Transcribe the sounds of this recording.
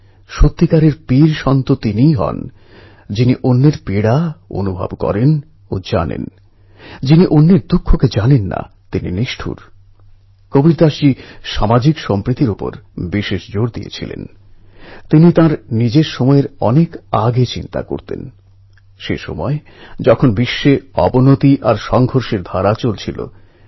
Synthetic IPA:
ʃot̪ːikaɾeɾpiɾʃɔnt̪ot̪inijɦɔ̰n | d͡ʑiniʔonːeɾpiɽao̰nubʱa̰bkɔ̰ɾen | od͡ʑa̰nḛn | d͡ʑiniʔonːeɾd̪ukʰːoked͡ʑanenːa̰ | t̪inḭniʃʈʰṵɾ | kobiɾd̪aʃiʃamad͡ʑikʃɔmpɾit̪iɾopo̰ɾbiʃeʃd͡ʑoɽd̪ḭjḛt͡ɕʰḭlḛn | t̪init̪ãɾnid͡ʑeɾʃɔmɔeɾɔnekaɡet͡ɕint̪a̰ko̰ɾt̪ḛn | ʃḛʃɔ̰mɔe | d͡ʑɔkʰonbiʃːeɔ̰bonot̪iʔaɾʃɔŋɡʱoɾʃeɾd̪ʱaɾat͡ɕolt͡ɕʰilo̰

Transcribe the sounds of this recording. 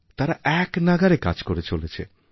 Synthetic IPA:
t̪aɾaʔɛknaɡaɾeka̰d͡ʑkoɾet͡ɕolet͡ɕʰḛ

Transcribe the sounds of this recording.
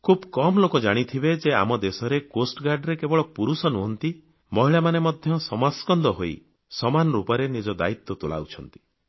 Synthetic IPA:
kʰubkɔmlokɔd͡ʒaɽ̃it̪ʰibed͡ʒea̰mɔd̪esɔɾekosʈɡaɾɖɾekebɔɭɔpuɾusɔnuɦɔnt̪i | mɔɦiɭamanemɔd̪ʱjɔsɔmaskɔnd̪ɔɦoi | sɔmanɔɾupɔɾenid͡ʒɔd̪a̰it̪ːɔt̪ula̰ut͡ʃʰɔnt̪i̥

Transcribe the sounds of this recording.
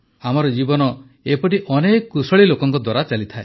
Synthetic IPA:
amɔɾɔd͡ʒibɔnɔ | epɔʈiʔɔnekɔkusɔɭilokɔŋkɔd̪waɾat͡ʃalit̪ʰae

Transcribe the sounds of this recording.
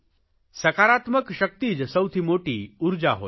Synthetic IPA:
sɐkaːɾat̪məkʃək̚t̪id͡ʒsəwt̪ʰimoːʈiuɾd͡ʑa̰ɦo̰

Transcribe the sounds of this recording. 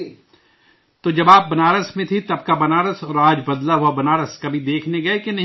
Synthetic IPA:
t̪od͡ʒɐbaːp̚bɐnaːɾəsmẽt̪ʰit̪ɐb̚kabɐnaːɾəsɔːɾaːd͡ʒbɐd̪laɦʊabɐnaːɾəskɐbʱid̪eːkʰneɡɐekenɐ

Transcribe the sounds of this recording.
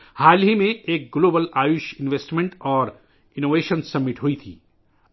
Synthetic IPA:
haːlɦimẽeːk̚ɡloːbəlaːjuːʃɪnʋeːsʈmẽɳʈɔːɾ | ɪnoːʋeːʃənsɐbːɪʈɦuit̪ʰḭː

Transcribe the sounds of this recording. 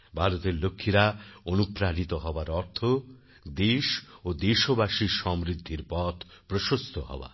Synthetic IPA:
bʱaɾot̪eɾlokʰːiɾaonupɾaɾit̪oɦɔbaɾɔɾt̪ʰo | d̪eʃod̪eʃobaʃiʃɔmɾid̪ʱːiɾpɔt̪ʰ | pɾoʃost̪ʰohɔ̰ba̰

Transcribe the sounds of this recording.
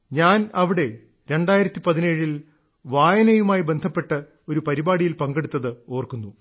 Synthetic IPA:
ɲaːnɐʋiɽe̞ | ɾe̞ɳɖaːjiɾɐt̪ːipɐðineːɻil | ʋaːjɐnɐjumaːjibe̞nd̪ʱɐpːe̞ʈːɐ | o̞ɾupɐɾibaːɽijilpɐŋɡeɽut̪ːɐðɨo̞ːrkunːu

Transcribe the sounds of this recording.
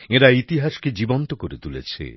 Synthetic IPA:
eɾait̪iɦaʃked͡ʑibont̪okoɾet̪ulet͡ɕʰḛ

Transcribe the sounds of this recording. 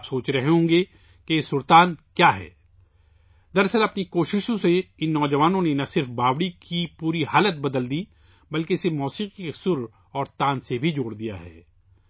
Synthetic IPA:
psoːt͡ʃɾɐɦɦõːɡe | kesʊɾt̪aːnkjaːɦɛ̰ː | d̪ɐɾsəɾɐpnikoːʃɪʃõseɪnːɔːd͡ʒɐʋaːnõnenɐsɪɾfbʱaːʋɽikipuːɾiɦaːlət̪̚bɐd̪əld̪iː | bɐlkeɪsemɔːsiːqikesʊɾ | ɔːɾt̪ãːnsebʱid͡ʒoːɽd̪ija̰ɦɛ̰ː

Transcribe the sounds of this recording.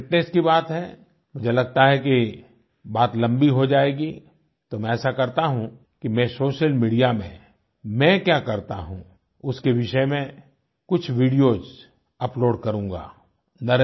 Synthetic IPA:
ɪʈnɛskibaːt̪ɦɛ | mʊd͡ʒʱelɐɡ̚t̪aɦɛki | baːt̪lɐ̃mbiɦod͡ʒaːeːɡi | t̪omɛ̃ɛːsakɐɾt̪aɦũ | kimɛ̃soːʃəlmiːɖijamẽ | mɛ̃kjaːkɐɾt̪a̰ɦṵ̃ | ʊskeʋɪʃɛmẽ | kʊt͡ʃʰʋiːɖijoz | ɐploːɖkɐɾũːŋɡa̰ː | nɐɾ

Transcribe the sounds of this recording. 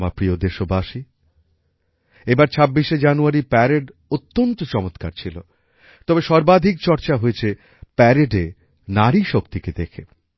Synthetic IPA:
mapɾiod̪eʃobaʃi | ebaɾt͡ɕʰabːiʃed͡ʑanuaɾipɛɾeɖot̪ːont̪ot͡ɕɔmot̪ka̰ɾt͡ɕʰilo̰ | t̪ɔbeʃɔɾbad̪ʱik̚t͡ɕɔɾt͡ɕaɦoet͡ɕʰe | pɛɾeɖe | naɾiʃokt̪iked̪ekʰe

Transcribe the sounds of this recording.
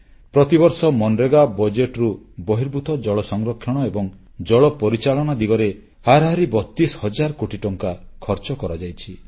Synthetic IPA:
pɾɔt̪ibɔɾsɔmɔnɖɾeɡabɔd͡ʒeʈɾu | bɔɦiɾbʱut̪ʰɔd͡ʒɔɭɔsɔŋɾɔkʰːjɔɽ̃ɔebɔŋ | d͡ʒɔɭɔpɔɾit͡ʃaɭɔnad̪iɡɔɾe | haɾɦaɾibɔt̪ːishɔd͡ʒaɾkoʈiʈɔŋkakʰɔɾt͡ʃɔkɔɾɔd͡ʒajt͡ʃʰi

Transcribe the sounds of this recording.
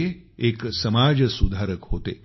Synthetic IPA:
e | eksəmad͡ʑsud̪ʱaɾəkɦot̪e

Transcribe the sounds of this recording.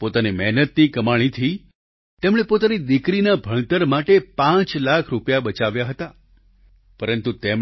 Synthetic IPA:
pot̪animɛɦnət̪nikəmaɭ̃it̪ʰi | t̪emɽ̃epot̪anid̪ikɾinabʱəɳ̃t̪əɾmaʈepãt͡ʃlakʰɾupjabət͡ʃaʋjaɦət̪a | pəɾənt̪ut̪em

